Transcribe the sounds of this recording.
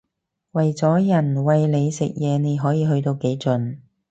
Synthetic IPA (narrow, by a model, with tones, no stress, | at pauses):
wɐ˨˩jt͡sɔː˨˥jɐ˨˩nwɐ˨jle˨˧jsɪ̰˨k̚jɛː˨˧ne˨˧jɦɔː˨˥jiː˨˧ɦɵ˧ɥt̪o˧wke˨˥jt͡sɵ˨˧n